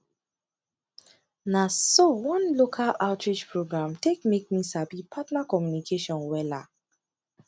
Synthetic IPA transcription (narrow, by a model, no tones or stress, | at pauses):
nasowɔ̃nlokʰalaʊtʰɹid͡ʒpʰɹoɡɹãmtʰekmek̚misabipʰatnakɔmjunikʰeʃɔ̃nwɛla̰